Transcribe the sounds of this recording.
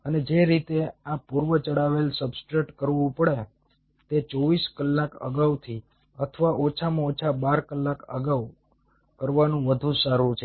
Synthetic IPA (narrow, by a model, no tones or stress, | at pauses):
əned͡ʒeɾit̪eapuɾʋət͡ʃəɽaʋelsəbskɾeʈkəɾʋũpəɽe | t̪et͡ʃɔʋiskəlːakə̰ɡaʋt̪ʰi | ət̪ʰəʋaʔot͡ʃʰamãot͡ʃʰabaɾkəlːakə̰ɡaʋ | kəɾʋanũʋəd̪ʱũsaɾũt͡ʃʰe